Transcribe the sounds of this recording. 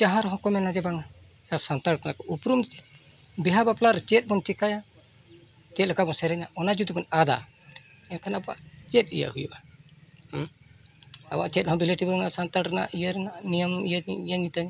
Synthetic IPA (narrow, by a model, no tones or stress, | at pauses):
d͡ʒaɦaɾɦɔ̃kɔmɛnad͡ʒɛbaŋa | jasant̪aɾkana̰kɔʔupɾumdit͡ʃɛ | bɛɦabaplaɾt͡ʃɛt̪̚bɔnt͡ʃɛkaja | t͡ʃɛt̪̚lɛkabɔsɛɾɛɲaɔnad͡ʒud̪ibɔnad̪a̰ | ɛkʰanaba̰ʔt͡ʃɛt̪̚ˀḭja̰ʔhujṵʔah | a̰ba̰ʔt͡ʃɛt̪̚hɔ̃bileʈibaŋasant̪aɾana̰ʔijaɾɛnanijamijaɲiijaɲit̪aŋ